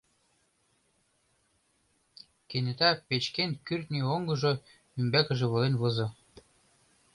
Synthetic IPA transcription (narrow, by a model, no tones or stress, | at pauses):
kenet̪æpet͡ɕkenkyrt̪nioŋɡɤ̆ʒɤ | ymbækə̆ʒĕβɤ̆lenβɤzɤ̆